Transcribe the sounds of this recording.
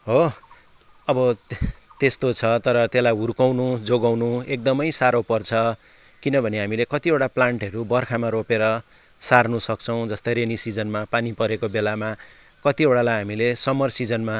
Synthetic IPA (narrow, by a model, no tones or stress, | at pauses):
ɦo | ʌbʌt̪est̪ot͡sʰʌt̪ʌɾʌt̪elajɦurkawnud͡zoɡawnuek̚d̪ʌmʌjsaɾopʌrt͡sʰʌ | kinʌbʱʌneɦamilekʌt̪ieʈaplaɳʈɦʌɾubʌrkʰamaɾopeɾʌ | sarnusʌk̚t͡sʰʌw̃d͡zʌst̪ʌɾenisid͡zʌnmapanipʌɾekobelama | kʌt̪ieɽalajɦamilesʌmʌrsid͡zʌnma